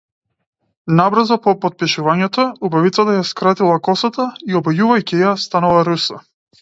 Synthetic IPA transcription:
nabɾazapɔpɔt̪̚piʃuvaɲɛt̪ɔubavit̪sat̪ajaskɾat̪ilˠakɔsat̪aiɔbɔjuvajcijast̪analˠaɾusa

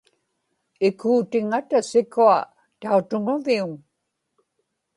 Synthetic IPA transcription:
ɪkuːt̪ɪŋat̪asɪkua | t̪aut̪ʊŋʊviuŋ

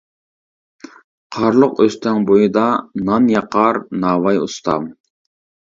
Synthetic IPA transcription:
qʰɑɾlˠʊqøst̪ʰɛŋbojɨd̪ɑnɑnjɑqɑɾnɑːwɑjṵst̪ʰɑ̰m

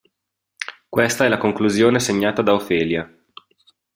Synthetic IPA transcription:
kwest̪aɛlːakoŋkluzjoːneseɲːaːt̪ad̪aofeːlja

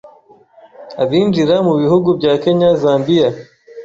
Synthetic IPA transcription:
aβiːnd͡ʒiɾamuβihuɡubɟaːke̞ɲazaːmbija

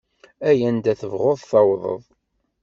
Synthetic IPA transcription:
æjænd̪æθəvʁoðˤθɑwðˤə̰ðˤ

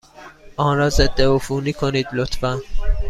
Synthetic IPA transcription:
ʔɒːnɾɒːzed̪ːeofuːniːkʰoniːd̪lot̪fæn

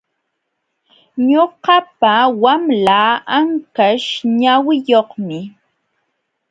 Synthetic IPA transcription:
ɲoqɑpawamlaːaŋkaʃɲawɪjoχmɪ

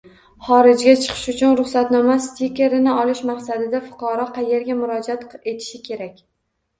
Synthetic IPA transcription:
χɒɾɪd͡ʒɡʲat͡ʃʰɨ̥qʰɨ̥ʃʊt͡ʃʰʊnɾʊχsat̪nɒmast̪ikʲe̞ɾɪnɪɒlɪʃmaqsad̪ɪd̪afʊ̥qʰɑɾɒqʰɑje̞ɾɡʲamʊɾɒd͡ʒat̪e̞t̪ʰɪ̥ʃɪkʲʰe̞ɾakʲ

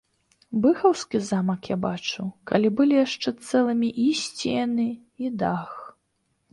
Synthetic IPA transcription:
bɨxɐwskʲizamɐkjabat͡ʂuka̰lʲibɨlʲijaʂt͡ʂɛt̪sɛlˠɨmʲiʔisʲt͡sʲijanɨ | id̪ax

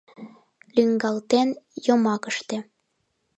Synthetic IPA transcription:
lyŋɡɑlt̪enjomɑkəʃt̪ĕ

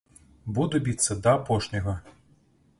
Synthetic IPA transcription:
bud̪ʊbʲit̪sɐd̪ɐɐpɔʃnʲɔɦɐ

